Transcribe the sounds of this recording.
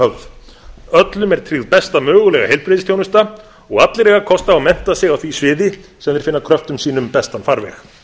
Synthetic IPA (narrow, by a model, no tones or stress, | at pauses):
œlð | œt̪lʏmɛɾ̥t̪ʰɾiðpɛst̪amœːɣʏlɛɣa̰hejlpɾɪðɪst̪jownʏst̪a | ɔɣat̪lɪɾɛːɣakʰɔst̪aːwmɛn̥t̪asɪɣawθvisvɪːðɪsɛmðɪɾ̥fɪnːakʰɾœft̪ʏmsiːnʏmpɛst̪anfaɾvɛ̰x